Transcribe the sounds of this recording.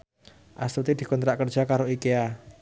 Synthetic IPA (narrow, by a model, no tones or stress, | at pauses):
ʔa̰st̪ut̪id̪i̤kɔnt̪ɾaʔkərd͡ʒ̥ʒ̥akaɾoikea